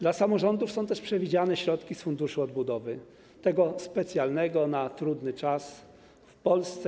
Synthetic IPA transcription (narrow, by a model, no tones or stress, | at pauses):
d̪lasamɔʐɔnd̪ufsɔ̃w̃t̪ɛʂpʂɛvʲid͡ʑanɛɕɾɔt̪kʲisfund̪uʂuɔd̪bud̪ɔvɘ | t̪ɛɡɔspɛt̪sʲjalnɛɡɔnat̪ɾud̪nɘt͡ʂas | fpɔlst̪sɛ